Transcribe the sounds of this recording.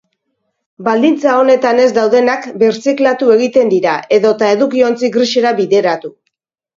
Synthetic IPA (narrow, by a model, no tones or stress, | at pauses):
bald̪int͡sao̞ne̞t̪ane̞zd̪awðe̞nakbe̞ɾt͡siklat̪ue̞ɣ̞it̪e̞nd̪iɾaʔe̞ðo̞t̪ae̞ðukio̞nt͡siɡɾiʃeɾaβiðe̞ɾat̪u